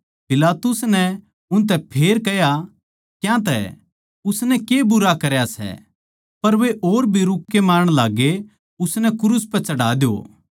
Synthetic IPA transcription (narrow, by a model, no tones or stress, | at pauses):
pɪlaːt̪ʊsnɛ | ʊnt̪̬ɛpʰeːɾkɛja | kjãt̪ɛ̰ | ʊsnɛkebʊɾakɐɾjasɛ̰ | pɐɾʋeʔoːɾbʱiɾʊkːemaːɾɽ̃laːɡe | ʊsnɛkʊɾʊspɛt͡ʃɐɽaːd̪jo̰ː